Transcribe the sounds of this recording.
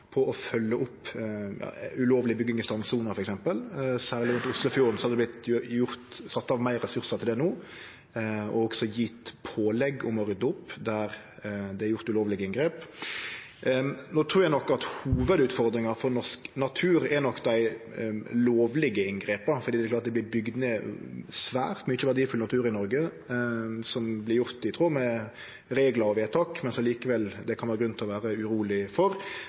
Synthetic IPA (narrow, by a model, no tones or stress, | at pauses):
pʰɔɔfœlːəʔʊpːjɑ̰ːʉloːʋlɪbʏɡːɪŋɪst̪ɑnsuːnəɾfɔɾɛksɛmpəlsæːʁlɪɾʉnt̪ʊslʊfjuːɾn̩sɔhɑd̪d̪ɛb̪lɪt̪jʊɾt̪sɑt̪ːɑːʋmæɪɾɛsʉɾsət̪ʰɪld̪ɛnuː | ɔ̰ɔɡsɔjiːt̪pʰoːlɛɡːʊmɔɾʏd̪ʊpːd̪æɾ | d̪ɛɛɾjʊʁt̪ʉloːʋlɪɡəɪŋɡɾeːp | noːt̪ʰɾuːɾjæɪnɔkːɑt̪huːʋəd̪ʉːt̪fɔɾd̪ɾɪŋɑfɔɾnɔʂknɑt̪ʰʉːɾɛnɔkːd̪æɪ | loːʋlɪɡəɪnɡɾeːp̪ɑfɔɾd̪iːd̪ɛklɑːt̪d̪ɛblɪbʏɡd̪mesʋæ̰ːɾt̪mɛnɪçːəʋæʁd̪iːfʉlnɑt̪ʰʉːɾɪnɔɾɡə | sɔmblɪɾjʊɾt̪ɪt̪ʰʁuːmɛ | ɾeːɡlɑɾɔʋeːt̪ʰɑːkmɛnsɔmliːkəʋɛld̪ɛkʰɑnʋæːɾəɡɾʉnnt̪ʰɪlɔʋæːɾəʉɾuːlɪfɔɾ